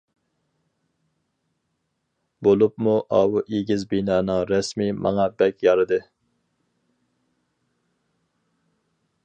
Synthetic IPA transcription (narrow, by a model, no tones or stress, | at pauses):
bolˠupmuʔɑːwuʔeɡʲizbinɑːnɨŋɾɛsmimʔɑ̰ŋɑbɛkʲjɑɾɨd̪ɨ